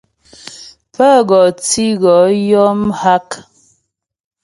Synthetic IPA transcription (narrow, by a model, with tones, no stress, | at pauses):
pə˦ɣɔ˨t͡si˦ɣɔ˨˦jɔ˦mha˦k